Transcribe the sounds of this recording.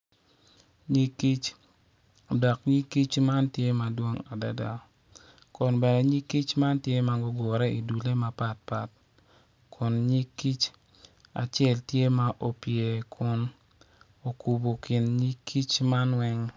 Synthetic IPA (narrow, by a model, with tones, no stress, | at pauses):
ɲi˦ki˦t͡ʃ | dɔ˨kɲi˦kːi˦t͡ʃma˦ntje˦ma˨dwo˦ŋa˨da̰˨da˨ | kʊ˨nbɛ˨nɛ˨ɲi˦ki˦t͡ʃma˦ntje˦ma˨ɡɔ˦ɡʊ˨ɾɛ˦i˨du˨le˦ma˨pa˨t̚pa˨t̚ | kʰʊ˨nɲi˦kːi˦t͡ʃ | a̰˨t͡ʃjɛ˦˨ltje˦ma˦ʔo˨pje˨kʰʊ˨˦n | o˨ku˨bo˨kɪ˨nɲi˦kʰːi˦t͡ʃma˦nwɛ˦ŋ